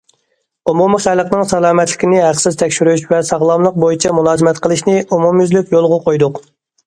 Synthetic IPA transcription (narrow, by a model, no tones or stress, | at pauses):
umumχælˠəqnɨŋsɛlˠɑːmɛt̪lɪ̥kʲinɪɦæqsɪzt̪ʰɛkʲʃyɾyʃvɛsɑʁlˠɑmlˠəq̚bojit͡ʃʰɛmulˠɑːzɨmɛt̪qʰəlˠɨʃnɪumumjyzlykʲjolˠʁɑqʰojd̪ʊq